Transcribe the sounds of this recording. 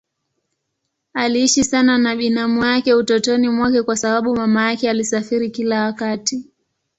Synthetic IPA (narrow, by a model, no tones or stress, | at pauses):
aliiʃisananaɓinamujakɛutɔtɔnimwakɛkwasaɓaɓumamajakɛalisafiɾikilawakati